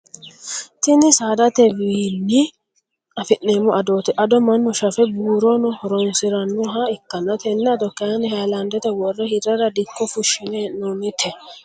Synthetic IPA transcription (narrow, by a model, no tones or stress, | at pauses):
t̪ɪnɪsaːd̪ɐt̪ɛwiːnːɪ | ɐfɪʔːeːmɔʔɐd̪oːt̪ɛʔɐd̪ɔmɐnːɔʃɐfɛbuːɾɔnɔhɔɾɔnsɪɾɐnːɔɦɐɪkːɐnːɐt̪ɛnːɛɐd̪ɔkːɐnɪhɐlɐnd̪ɛt̪ɛwɔrːɛhɪd̪ɐɾɐd̪ɪkːɔfʊʃːɪneːnoːnɪt̪ʰɛ